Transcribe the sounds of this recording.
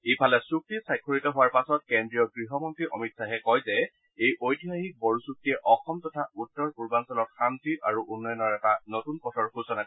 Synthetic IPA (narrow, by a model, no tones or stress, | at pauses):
ejpʰalɛsuk̚tisajkʰːɔɹitɔɦʊwaɹpasɔt̚kendɹijɔɡɹiɦɔmɔntɹiʔɔ̰mitsaɦɛkɔjzɛ | ejʔojtiɦaɦik̚bɔɹusuk̚tiɛʔɔxɔmtɔtʰautːɔɹkuɹbansɔlɔt̚xantiʔaɹuʔunːɔjɔnɔɹɛtanɔtunpɔtʰɔɹxusɔna